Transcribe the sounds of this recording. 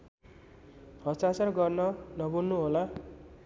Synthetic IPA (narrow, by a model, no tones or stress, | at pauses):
ɦʌt͡sat͡sarɡʌrnʌnʌbunːuɦola